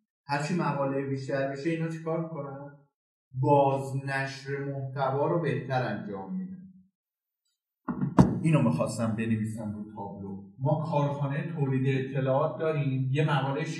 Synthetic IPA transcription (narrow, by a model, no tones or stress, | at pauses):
hæɾt͡ʃʰimæɣɒːle̞ebiːʃt̪æɾmiːʃe̞iːnɒːt͡ʃʰi̥kʰɒːɾmikʰo̞næn | bɒːznæʃɾe̞moht̪ʰævɒːɾobe̞ht̪ʰæɾænd͡ʒɒːmːid̪æn | ʔiːnomixɒːst̪æmbe̞neviːsænɾut̪ʰɒːblomɒːkʰɒːɾxunejet̪ʰoːliːd̪eːt̪ʰːe̞lɒːɒːt̪̚d̪ɒːɾimje̞mæʁɒːleʃ